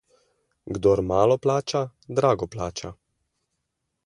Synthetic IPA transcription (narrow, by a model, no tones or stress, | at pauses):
ɡd̪ɔɾmaːlɔplaːt͡ʃad̪ɾaːɡɔplaːt͡ʃa